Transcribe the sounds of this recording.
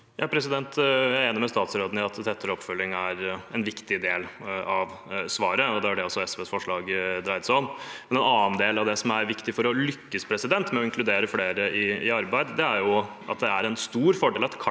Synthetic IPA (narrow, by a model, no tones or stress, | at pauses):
jʔɑːpʰɾɛsɪd̪ɛnt̪jæɪeːnəmɛst̪ɑːt̪sɾoːd̪nəɑt̪t̪ʰɛt̪ːəɾɔpːfœlːɪŋæɾɛnʋɪkt̪ɪd̪eːlɑʋsʋɑːɾəɔd̪ɛæɖɛɔsːɔɛsʋeːsfɔʂɭɑːɡd̪ɾɑɪd̪sɔnmɛnɛnɑːnd̪eːlɑʋd̪ɛsɔmæɾʋɪkt̪ɪfɔɾɔlʏkːəspʰɾɛsɪd̪ɛnt̪mɛɔɪŋklʉd̪eːɾəfleːɾəɪɪɑɾbæɪd̪d̪ɛæɾjʊ | ʔɑ̰t̪̚d̪ɛæɾɛnst̪uːɾfɔɖeːlɑt̪kʰ